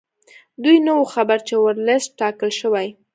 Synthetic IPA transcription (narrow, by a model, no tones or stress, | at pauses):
d̪ujnəwoxabaɾt͡ʃewəɾləst̚ʈɑkəlʃəwaj